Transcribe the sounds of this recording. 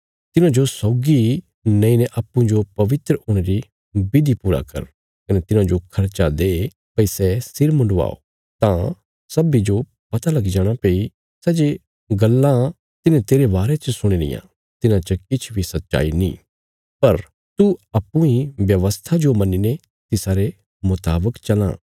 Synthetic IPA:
t̪ɪnãd͡ʒosɔːɡi | nɐ̃ĩneʔaːpːũd͡ʒopɐʋɪt̪ɾəoːɽ̃eɾi | bɪd̪ʱipuːɾa̰kɐ̰ɾ | kɐnɛt̪ɪnãd͡ʒokʰɐɾt͡ʃad̪e | pɐisɛsɪɾmʊ̃ɳɖʋa̰ːo̰ | t̪ã | sɐbid͡ʒo | pɐt̪alɐɡid͡ʒaːɽ̃apeːi | sɛːd͡ʒe | ɡɐlːã | t̪ɪnẽt̪eːɾebaːɾet͡ʃəsʊɽ̃ilɪ̰jã̰ | t̪ɪnãt͡ʃəkɪt͡ʃʰbʱisɐt̪ːʃa̰ːinḭ̃ː | pɐɾ | t̪uɐpːũĩʋjɐʋəst̪ʰad͡ʒomɐnine | t̪ɪsaːɾe | mʊt̪aːbəkt͡ʃɐlã̰ː

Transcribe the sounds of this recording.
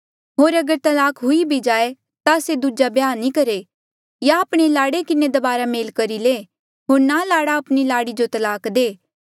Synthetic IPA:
ɦoːɾɐɡəɾt̪ɐlaːkɦʊibʱid͡ʒaːe | t̪ased̪ud͡ʒabjaːnikɐɾe | jaːpɽ̃elaːɽekɪned̪ɐbaːɾameːlkɐɾile | ɦoːɾnalaːɽaɐpɽ̃ilaːɽid͡ʒot̪ɐlaːkd̪eː

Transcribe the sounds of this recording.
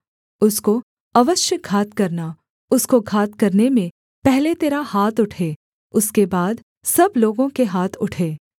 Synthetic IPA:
ʊsko | ɐʋəʃjəɡʱaːt̪kɐɾna | ʊskoɡʱaːt̪kɐɾnemẽ | pɛɦlet̪eːɾahaːt̪ʊʈʰeː | ʊskebaːd̪ | sɐbloːɡõkeɦaːt̪ʰʊʈʰeː

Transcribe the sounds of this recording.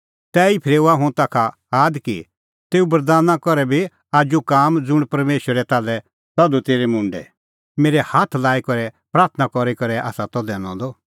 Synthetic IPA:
t̪ɛːipʰɪɾeːuaɦʊ̃t̪aːkʰa | aːd̪kḭ | t̪eːubɐɾd̪aːnakɔɾɛbi | aːd͡ʒukaːmd͡zʊɽ̃pɐɾmeːʃwəɾɛt̪aːlɛ | t̪ɐd̪ut̪eːɾɛmʊ̃ɳɖɛ̰ | meːɾɛhaːt̪ʰlaːikɔɾɛpɾaːɾt̪ʰənakɔɾikɐɾɛʔa̰ːsat̪ɔd̪ɛːɽ̃ɔ̰̃d̪ɔ

